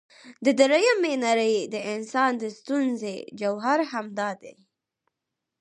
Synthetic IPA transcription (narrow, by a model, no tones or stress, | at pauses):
d̪əd̪əɾajamenaɾəjd̪əɪnsɑnd̪əst̪unzḛd͡ʒawɦaɾhamd̪ɑd̪ḛ